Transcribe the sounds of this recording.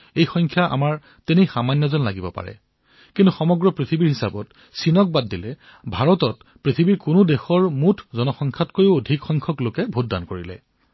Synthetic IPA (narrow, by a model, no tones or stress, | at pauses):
ejxɔŋkʰjaʔa̰maɹ | tenixamanjɔzɔnlaɡibɔpa̰ɹɛ̰ | kintuxɔmɔɡɹɔpɹitʰibiɹhɦisabɔt | sinɔk̚badːilɛ | bʱaɹɔtɔt̚ | pɹitʰibiɹkʊnʊdexɔɹmutʰzɔnɔxɔŋkʰatkojʊodʱikxɔŋkʰɔklokɛbʱut̚da̰nkoɹilɛ̰